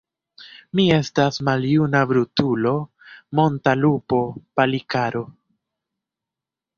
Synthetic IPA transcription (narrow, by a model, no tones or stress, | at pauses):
mie̞stasmaljunabɾutulo̞ | mo̞ntalupo̞palikaɾo̞